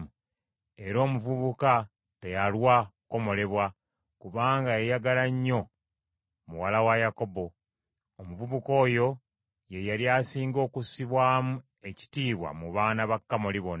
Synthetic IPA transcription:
m | e̞ɾo̞ːmuvuβuka | te̞jalwako̞mo̞le̞βwa | kuβaːŋɡaejaɡalaɲːo̞ | muwalawajako̞bo̞ː | muvuβuko̞ːjo̞ | je̞jaljasiːŋɡo̞ːkusiβwaːmu | e̞ci̥tiːβwa̰muβaːnaβakːamoliβon

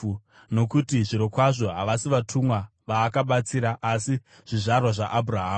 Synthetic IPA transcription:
no̞kutiʐiɾo̞kwaʐo̞ɦaʋasiʋatʰumwa | ʋaːkaɓat͡siːɾaʔasi | ʐ̥iʐarwaʐaʔabʱuraɦaː

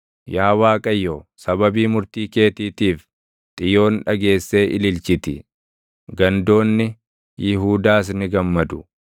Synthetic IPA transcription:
jaːwaːkʼɐjːosɐbɐbiːmʊɾt̪iːke̞ːt̪iːt̪iːf | t̪ʼɪjo̞ːnᶑɐɡe̞ːsːe̞ːʔɪlɪlt͡ʃɪt̪ɪ | ɡɐnd̪o̞ːnːɪ | jɪɦuːd̪aːs̬nɪɡɐmːɐd̪ʊ̥

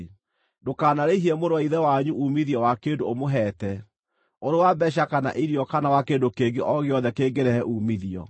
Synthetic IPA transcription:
dokaːnaɾeiɦiɛmoɾwaiðɛwaɲuʔumiðiɔwakeːndoomoɦɛtɛ | oɾewabɛɕ̬akana̰ʔiɾiɔkanawakeːndokeɡeʔɔɣeɔðɛkeɡeɾɛhɛʔumiðiɔ̰

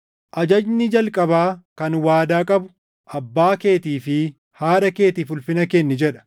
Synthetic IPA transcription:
ʔɐd͡ʒɐd͡ʒnɪd͡ʒɐlkʼɐbaːkɐnwaːd̪aːkʼɐbʊ̥ | ʔɐbːaːke̞ːt̪iːfɪ | haːᶑɐke̞ːt̪iːfʊlfɪnɐkɛnːɪd͡ʒɛᶑɐ̥

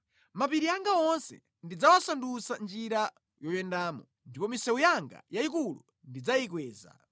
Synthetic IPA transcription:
map̬iɾiaŋɡaɔnsɛ̰ | ndid͡zawasandusand͡ʒiɾa | jɔjɛndaːmɔ | ndipɔmisɛujaŋɡa̰jaik̬ulṵ | ndid͡zaik̬wɛːza̰

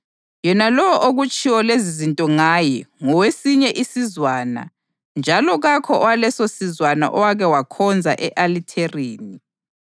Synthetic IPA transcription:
jɛnalɔwʔoɣut͡ʃʼiwɔlezizintʼɔŋajɛŋɔwesiɲɛʔisizwaːna̰ | nd͡ʒʱalɔɣakʰɔʔɔwalɛsosizwana̰ʔɔwaɣɛwakʰɔnd͡zʱa̰ʔɛʔalitʰeriːni

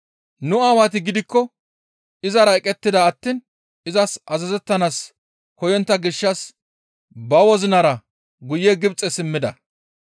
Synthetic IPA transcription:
nʊaːwat̪̬ɪɡɪd̪ɪkːɔ | ɪzɐɾɐɛkʼːɛt̪ːɪd̪ɐːt̪ːiːn | ɪzɐsʔɐzɐzɛt̪ːɐnaːs | kɔjɔnt̪ːɐɡɪʃːɐs | bɐwɔzɪnɐɾɐ | ɡʊjːɛɡɪbt͡sʼɛsɪmːɪd̪ɐ

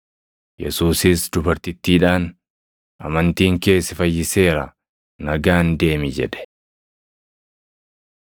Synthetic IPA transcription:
jɛ̰suːsɪsd̪ʊbɐɾt̪ɪt̪ːiːᶑaːn | ʔɐ̰mɐnt̪iːŋke̞ːsɪfɐjːɪse̞ːɾɐ | nɐɡaːnd̪e̞ːmɪd͡ʒɛ̰ᶑɛ̥

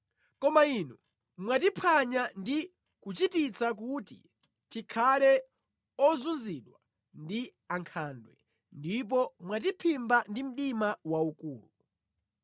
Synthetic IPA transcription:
kɔmainu | mwat̬ipʰaɲandi | kut͡ʃitit͡sak̬utḭ | tikʰalɛ | ɔzunziɗwa | ndi | aŋkʰaːndwɛ | ndip̬ɔmwat̬ipʰimbandim̩ɗimawaukuːlu

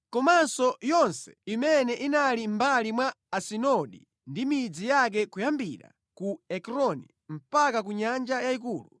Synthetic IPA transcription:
kɔmansɔjɔnsɛ̥imɛnɛʔinalimbalimwaːsinɔɗḭ | ndimid͡zijak̬ɛkujambiɾa̰ | kuɛkɾɔnḭ | m̩pakakuɲand͡ʒajaik̬uːlu

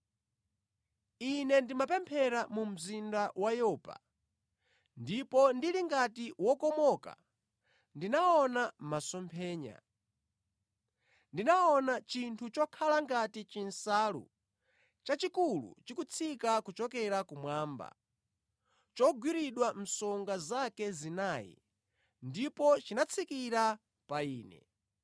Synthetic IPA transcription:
inɛndimapɛmpʰɛɾamum̩zindawajɔːpa̰ | ndipɔndiliŋɡatiwɔkɔmɔka̰ | ndinaɔnamasɔmpʰɛːɲa̰ | ndinaɔnat͡ʃintʰut͡ʃɔkʰalaŋɡatit͡ʃinsaːlṵ | t͡ʃat͡ʃikulṵt͡ʃikut͡sʰikakut͡ʃɔkɛɾakumwaːmba̰ | t͡ʃɔɡwiɾiɗwam̩sɔŋɡazakɛzinaːjḭ | ndipɔt͡ʃinat͡sʰikiɾa | paiːnɛ̰

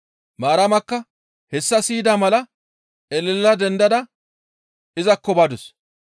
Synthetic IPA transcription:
maːɾɐmɐkːɐ | hɛsːɐsiːd̪aːmɐlɐ | ɛlɛlːɐd̪ɛnd̪ɐd̪ɐ | ɪzɐkːɔbad̪ʊs

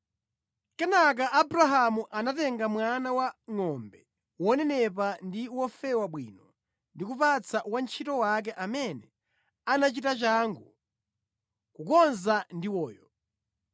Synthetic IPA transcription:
kɛnak̬aʔabɾaɦamuʔanatɛŋɡamwanawaŋɔmbɛ | wɔnɛnɛpandiwɔfɛwaɓwḭːnɔ | ndikupat͡sawant͡ʃʰitɔwak̬ɛʔamɛnɛ | anat͡ʃitat͡ʃaŋɡu | kukɔnzandiwɔːjɔ

